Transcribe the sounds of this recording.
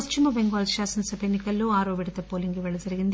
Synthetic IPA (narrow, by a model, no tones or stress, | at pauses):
ɐst͡ʃimɐbeŋɡaːlʃaːsɐnsɐbʱenːikɐlːoːaːɾoːʋiɽɐt̪ɐpoːliŋɡiʋɛɭːlːɐd͡ʒɐɾiɡind̪